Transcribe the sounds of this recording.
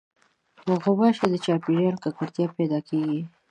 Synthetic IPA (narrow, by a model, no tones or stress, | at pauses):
noɣʊbɑʃed̪ət͡ʃɑpiɾɑlkakaɾt̪jɑpɛd̪ɑkʰeɡi